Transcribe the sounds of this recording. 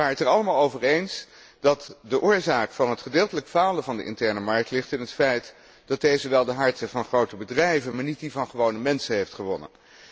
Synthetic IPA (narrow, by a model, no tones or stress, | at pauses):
ʋaːɹətɛɹɑləmaːlˠowvəɹejns | d̥ɑtdəʔʊːɹzaːkfɑnɦətχədɪːlˠtələkfaːləvɑndə̰ʔɪ̰ntɛɹnəmɑɹk̚tlɪχtɪnɦətfɛjt | d̥ɑt̚dejzəʋɛlˠdəɦɑɹtəvɑnχrowtəbədrɛjvənmaːɹnit̚divɑnχəʋownəmɛnsəɦejftχəʋɔnə̰n